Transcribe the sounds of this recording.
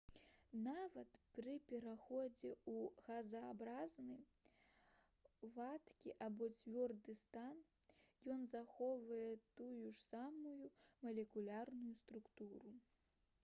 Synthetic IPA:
navɐt̪pɾɨpʲɛɾaxɔd͡zʲɛuɣɐzɐːbɾaznɨj | vat̪kʲiʔabɔt͡sʲvʲɔrd̪ɨst̪anjɔnzaxɔvɐjɛt̪ujuʂsamujumɐlʲɛkulʲarnujust̪ɾukt̪uɾu

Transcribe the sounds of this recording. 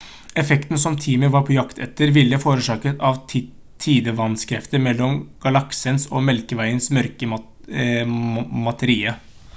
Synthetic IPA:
ɛfɛkt̪n̩sɔmt̪ʰiːməʋɑɾpʰɔjɑkt̪ʰɛ̰t̪ːəɾʋɪlːəfoːɾəʂɑːkət̪ɑʋ | t̪ʰiːd̪əʋɑnskʰɾɛft̪əɾmɛlːɔmɡ̥ɑlɑksənsɔmɛlkəʋæɪənsmœɾkə | mɑt̪ʰəɾiːə

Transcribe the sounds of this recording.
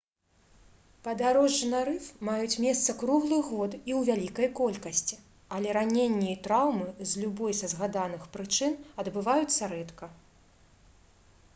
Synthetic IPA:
pɐd̪aɾɔʐːɨnɐɾɨfmajut͡sʲmʲɛst̪sɐkɾuɣlˠɨɣɔt̪iwvʲalʲikɐjkɔlʲkɐsʲt͡sʲi | ɐlʲɛɾanʲenʲːiit̪ɾawmɨzʲlʲubɔjsɐzɣad̪anɨxpɾɨt͡ʂɨnɐd̪bɨvajut̪sːɐɾɛt̪kɐ

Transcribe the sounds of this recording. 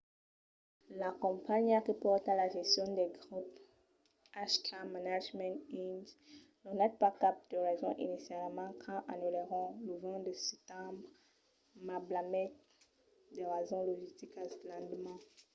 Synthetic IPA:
lakɔ̃paɲakipɔʁt̪alaʒɛst̪jɔ̃d̪ɛɡʁup | aʃt̪amanaʒmɛ̃nt̪inz | nɔnɛt̪̚pakap̚d̪̥əʁɛzɔ̃ʔḭnisjalmɑ̃kʰɑ̃ʔanyleʁɔ̃ləvɛ̃d̪əsɛt̪ɑ̃bʁ | mablamɛt̚ | d̪eʁazɔ̃lɔʒist̪ikaslɑ̃d̪mɑ̃

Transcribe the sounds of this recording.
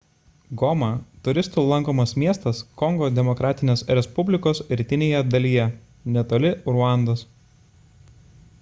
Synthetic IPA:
ɡɔmɐt̪ʊɾʲɪst̪uːlˠɐŋˑkoːmɐsmʲiɛst̪ɐskɔŋɡoːd̪ʲɛmɔkɾɑːt̪ʲɪnʲeːsɾʲɛspʊbʲlʲɪkoːsɾʲt̪ʲɪnʲeːjɛd̪ɐlʲiːjɛ | nʲɛt̪oːlʲɪɾʊɑˑnd̪os

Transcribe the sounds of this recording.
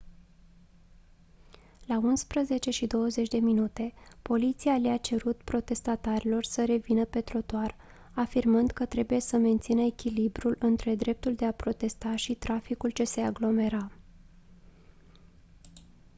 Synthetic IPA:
launspɾəze̞t͡ʃe̞ʃid̪o̞wəze̞t͡ʃʲd̪e̞minut̪e̞po̞lit̪sialiat͡ʃe̞ɾut̪pɾo̞t̪e̞st̪at̪aɾilo̞rsəɾe̞vinəpe̞t̪ɾo̞t̪oar | afirmɨnd̪kət̪ɾe̞buje̞səme̞nt̪sinəekʲilibɾulɨnt̪ɾe̞d̪ɾe̞p̚t̪uld̪e̞apɾo̞t̪e̞st̪aʃit̪ɾafikult͡ʃe̞se̞aɡlo̞me̞ɾa

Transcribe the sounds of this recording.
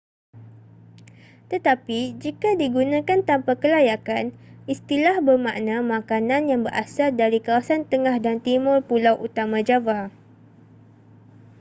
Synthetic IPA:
t̪ət̪apid͡ʒikadiɡunãkant̪ampakəlajakanist̪ilahbərmaʔnãmãkanãnjaŋbəɾasal̚daɾikawasant̪əŋahdant̪imʊrpulawʔut̪amãd͡ʒawa

